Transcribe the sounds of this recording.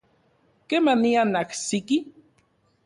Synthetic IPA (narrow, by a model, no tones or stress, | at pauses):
kemanianaksiki